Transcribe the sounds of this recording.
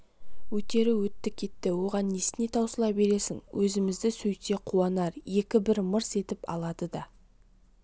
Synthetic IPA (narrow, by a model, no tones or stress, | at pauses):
wɵt̪e̞ɾɪwɵt̪ːɪkʲʰːe̞t̪ːɪwo̞ʁɑnːesɪne̞t̪ʰɑwsəlˠɑpbe̞ɾe̞sɪŋwʔɵzɪmɪzd̪ɪsɵjt̪e̞qʰuɑnɑɾje̞kʲɪbɪɾməɾse̞t̪ɪpɑ̰lˠɑd̪əd̪ɑ